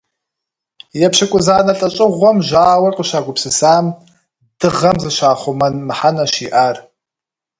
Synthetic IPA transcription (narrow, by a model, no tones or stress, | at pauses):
jɛpʃɐkʷʼʊzaːnɐɬʼɐɕʼɪʁʷɔmʒaːwɐrqʼəʃaːɡʷʊpsɨsaːm | d̥ɨʁɐmzɨʃaːχʷʊmɐnmɨħanɐʃiːʔaːr